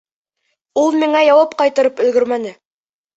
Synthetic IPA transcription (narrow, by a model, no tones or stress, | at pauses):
ulˠmiɴɑjɑwɑpqɑjt̪ɤ̆ɾɤpɵ̆lɡɵɾmænɘ